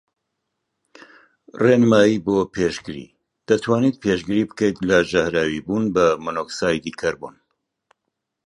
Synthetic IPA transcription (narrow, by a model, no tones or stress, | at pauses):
renɨmaːjiboːpʰeʃɡɨɾḭː | d̪̥ɐt̪ʰwaːnit̪̚pʰeʃɡɨɾiːbɨkɐjt̪lɐd͡ʒahɾaːwibuːnbɐmɨnoːksaːjd̪ikʰɐɾbṵn